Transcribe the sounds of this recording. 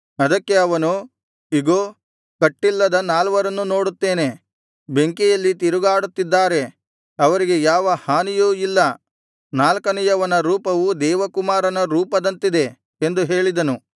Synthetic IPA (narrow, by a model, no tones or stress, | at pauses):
ɐd̪ɐkːe̞ɐʋɐnu | iɡoː | kɐʈːilːɐd̪ɐnaːlʋɐɾɐnːuno̞ːɽut̪ːe̞ːne̞ | be̞ŋkijɐlːit̪iɾuɡaːɽut̪ːid̪ːaːɾe̞ | ɐʋɐɾiɡe̞jaːʋɐhaːnijuilːɐ | naːlkɐnɛjɐʋɐnɐɾuːpɐʋud̪ɛːʋɐkumaːɾɐnɐɾuːpɐd̪ɐnt̪id̪e̞ | end̪uɦe̞ːɭid̪ɐnu